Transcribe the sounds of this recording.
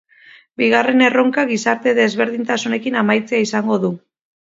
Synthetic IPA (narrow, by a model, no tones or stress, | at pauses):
biɣ̞are̞ne̞ro̞ŋkaɣisaɾt̪e̞ðe̞zβe̞ɾðint̪asune̞kinamajt͡seaisaŋɡo̞ðu